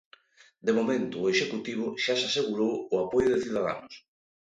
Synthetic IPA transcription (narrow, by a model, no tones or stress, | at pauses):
d̪emomẽnt̪ʊːeʃekut̪iβ̞ʊʃasaseɣuɾowʊapojʊðɪθiuðaða̰nʊs